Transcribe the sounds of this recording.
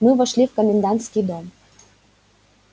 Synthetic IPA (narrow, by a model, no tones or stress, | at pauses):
mɨvəʃlʲifkəmʲend̪ant̪skʲid̪om